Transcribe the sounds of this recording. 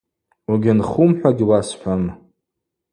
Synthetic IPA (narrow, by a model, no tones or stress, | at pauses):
uɡʲanχumħʷᶣaɡʲiwasħʷᶣam